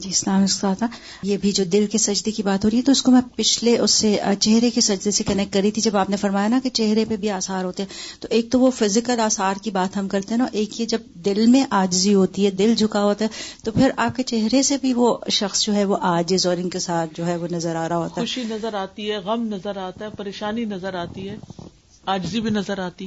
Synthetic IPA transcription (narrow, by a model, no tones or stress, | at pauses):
d͡ʒiːɪslaːmɪskaːt̪a | jebʱid͡ʒoːd̪ɪlkesɐd͡ʒd̪ekibaːt̪ɦoːɾiɦɛt̪oɪskomɛ̃pɪt͡ʃʰleʔʊsːet͡ʃɛɦɾekesɐd͡ʒd̪esekɐnɛk̚ʈ̚kɐɾit̪ʰid͡ʒɐbaːpnefɐɾmaːjanaket͡ʃɛɦɾepebʱiaːsaːɾɦoːt̪eɦɛ̃t̪oʔeːk̚t̪oʋofɪzɪkəlaːsaːɾkibaːt̪ɦɐmkɐɾt̪eɦɛ̃naʔeːkied͡ʒɐb̚d̪ɪlmẽʔaːd͡ʒziɦoːt̪iɦɛd̪ɪld͡ʒʱʊkaɦoːt̪aɦɛt̪opʰɪɾaːp̚ket͡ʃɛɦɾesebʱiʋoʃɐxsd͡ʒoːɦɛʋoʔaːd͡ʒɪzɔːɾɪ̃nkesaːt̪̚ʰd͡ʒoːɦɛʋonɐzəɾaːɾaɦoːt̪aɦʊʃinɐzəɾaːt̪iɦɛɣɐmnɐzəɾaːt̪aɦɛpɐɾeːʃaːninɐzəɾaːt̪iɦɛː | aːd͡ʒzibʱinɐzəɾaːt̪i